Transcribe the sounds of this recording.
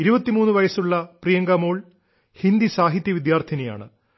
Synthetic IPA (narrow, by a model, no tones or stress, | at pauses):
iɾubɐt̪ːimuːnːɨʋɐjɐsuɭːɐprijɐŋɡɐmoːɭ | hind̪isaːɦit̪jɐʋid̪jaːrt̪ʰinɐja̰ːɳɨ̰